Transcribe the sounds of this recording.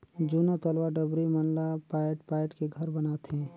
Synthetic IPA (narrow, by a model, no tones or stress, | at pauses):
d͡ʒunat̪əlwaɖəbɾimɐnlapaːʈpaːjʈkeɡʱɐɾbɐnaːt̪ɦɛ̃ː